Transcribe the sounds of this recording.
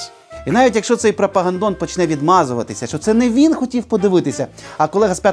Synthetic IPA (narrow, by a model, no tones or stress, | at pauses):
inɑʋʲitʲjɐkʃt͡ʃɔt̪sɛjpɾɔpɐɦɐnd̪ɔnpɔt͡ʃnɛʋʲid̪mɑzʊʋɐt̪ɪsʲɐʃt͡ʃɔt̪sɛnɛʋʲinxɔtʲiwpɔd̪ɪʋɪt̪ɪsʲɐɐkɔlˠɛɦɐspʲa